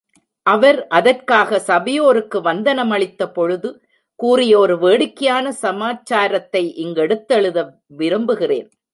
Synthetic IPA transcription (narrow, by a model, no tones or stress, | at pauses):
ʔɐʋɐɾʔɐðɐrkaːɣɐsɐʋɐjoːɾɯkːɯʋɐnd̪ɐnɐmɐɭɪt̪ːɐpɔɻɯðɯ | kuːrɪjɐɔɾɯʋeːɽɪkːɐjaːnɐsɐmaːt͡ʃːaːɾɐt̪ːɐɪʔɪŋɡɛɽɯt̪ːɛɭɯðɐ | ʋɪɾɯmbɯɣɪrḛːn